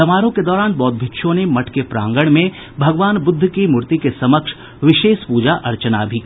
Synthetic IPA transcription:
ɐmaːɾõked̪ɔːɾaːnbɔːt̪̚bʱɪtːʃʰõnemɐʈʰkepɾã̰ːŋɡəɽ̃mẽ | bʱɐɡʋaːnbʊd̪ʱːkimʊɾt̪ikesɐməkʃ | ʋɪʃeːʃpuːd͡ʒaʔɐɾt͡ʃənabʱik

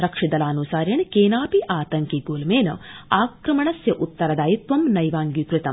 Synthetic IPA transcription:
ɾɐkʂid̪ɐlaːnusaːɾjɐɳkeːnaːpiʔaːt̪ɐŋkiɡoːlɐmeːnɐ̰aːkɾɐmɐɳɐsjɐʔut̪ːɐɾɐd̪aːjit̪ʋɐmnɐjʋaːŋɡikɾɪt̪ɐm

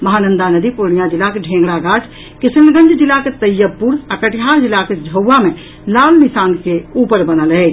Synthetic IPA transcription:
məɦanənd̪anəd̪iponijad͡ʒilakeɖʱẽŋɡɽaɡad͡ʒ | kisənɡə̃nd͡ʒʱd͡ʒilaket̪əjːəpːuɾakəʈiɦaɾd͡ʒilaked͡ʒʱəwːame | lalmisaːnkeupəɾbənəlɦɛt͡ʃ

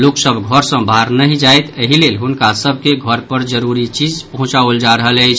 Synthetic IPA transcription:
loksəbʱɡʱəɾsə̃bʱaɾnəɦid͡ʒajt̪əɦilelɦunkasəbʱkeɡʱəɾpəɾd͡ʒəɾuɾit͡ʃid͡ʒpəɦũt͡ʃaold͡ʒaɾəɦələjt͡ʃʰ

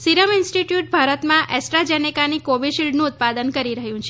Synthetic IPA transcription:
siɾəmɪnsʈiʈjuʈ̚bʱaɾət̪mãʔɛsʈɾad͡ʒɛnikanikoʋiɖʃilɖnũːt̪̚pad̪ənkəɾiɾəɦjũt͡ʃʰe

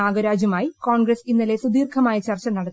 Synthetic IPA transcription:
aːɡɐɾaːd͡ʑɐmaːjikoːɳɡrɐsinːɐlesud̪iːrkʰɐmaːjɐt͡ɕɐrt͡ɕɐnɐɽɐt̪ː

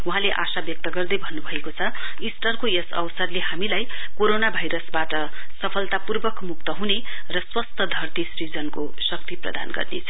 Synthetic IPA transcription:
uɦãleʔa̰sabjʌk̚t̪ʌɡʌrd̪ʌjbʱʌnːubʱʌekot͡sʰʌ | isʈʌrkojesʌ̰wsʌrleɦamilajkoɾonabʱajɾʌsbaʈʌ | sʌpʰʌlt̪apurbʌkmuk̚t̪ʌɦunerʌswʌst̪ʰʌd̪ʱʌrt̪isrid͡zʌnkosʌkt̪iprʌ̰d̪a̰nɡʌ̰rnet͡sʰʌ

